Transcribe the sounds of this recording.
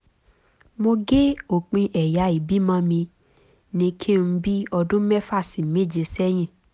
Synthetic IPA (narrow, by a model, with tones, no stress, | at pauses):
mo˧ɡe˦o˨k͡pĩ˧ʔɛ˨ja˨˦i˨bi˨˦mã˦mĩ˧ | nĩ˧kʰi˦˨ñ̩˧˦bi˦ɔ˧dũ˦mɛ˦fa˦˨sĩ˨me˦˨d͡ʒe˧sɛ˦j̃ĩ˦˨